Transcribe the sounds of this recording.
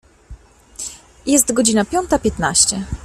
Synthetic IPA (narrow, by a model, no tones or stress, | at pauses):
jɛst̪ɡɔd͡ʑinapʲjɔnt̪apʲjɛt̪naɕt͡ɕɛ